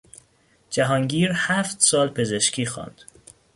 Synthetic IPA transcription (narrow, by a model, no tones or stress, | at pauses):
d͡ʒæɦɒːŋɟiːɾhæːft̪sɒːlpʰe̞ze̞ʃcʰiːxɒ̰ːnd̪̥